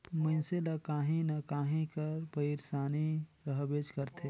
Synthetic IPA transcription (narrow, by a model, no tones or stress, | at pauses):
mənselakaːɦĩnɐkaːɦĩkəɾpəiɾsaːniɾəɦbeːd͡ʒkəɾt̪ʰe